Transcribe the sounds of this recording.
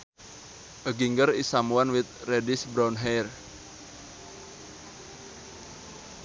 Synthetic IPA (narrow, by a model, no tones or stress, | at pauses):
ʔəɡiŋɡəɾisamuanwɪt̪̚redɪsbɾanɦɛr